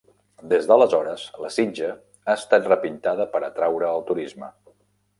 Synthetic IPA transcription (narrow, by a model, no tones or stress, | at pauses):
d̪ezdələzɔɾəz̥ləsinʲd͡ʒə | aəst̪at̪rəpint̪aðəpəɾət̪ɾawɾəːlˠt̪uɾizmə̰